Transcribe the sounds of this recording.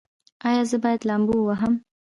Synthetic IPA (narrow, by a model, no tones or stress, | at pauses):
ɑjɑzəbɑjad̪lambuwaɦəm